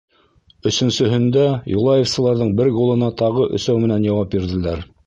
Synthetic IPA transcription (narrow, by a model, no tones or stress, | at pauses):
ɵ̆sɵ̆nsɵ̆ɦɵ̆nd̪æjṵlˠɑjefsɤ̆lˠɑɾðɤɴbɘɾɡolˠɤ̆nɑt̪ɑʁɤʔɵ̰̆sæwmɘ̆nænjɑwɑp̚biɾðɘ̆læɾ